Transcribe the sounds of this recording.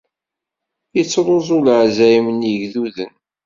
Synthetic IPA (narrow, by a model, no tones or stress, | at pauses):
jət͡sːɾˤozˤʊlʕzæimənjiʝðuðən